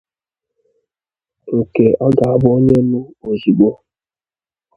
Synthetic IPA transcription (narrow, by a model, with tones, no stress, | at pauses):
o˨ke˨ɔ˦ɡa˨a˦bʊ˦o˦ɲe˦nʊ˦o˨zi˨ɡ͡bo˦